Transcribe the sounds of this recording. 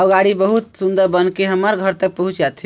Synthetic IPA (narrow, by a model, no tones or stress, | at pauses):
ɔɡaɽibəɦut̪sund̪əɾbənkeɦəməɾɡʱəɾt̪ək̚pəɦũt͡ʃd͡ʒat̪ʰi